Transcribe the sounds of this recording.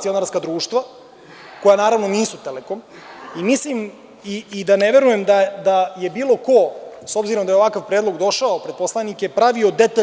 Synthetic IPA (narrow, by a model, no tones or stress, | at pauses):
sio̞naɾskad̪ɾuːʃt̪vʋa | ko̞janaːɾavʋnoniːsut̪elekom | imislim | iːd̪aneʋe̞ɾujemd̪ad̪aje̞biːlˠo̞ko̞so̞bziɾo̞md̪ajeakaʋpɾe̞ːd̪lo̞ɡd̪o̞ʃaopɾed̪̚po̞slˠanikepɾaʋio̞d̪et̪a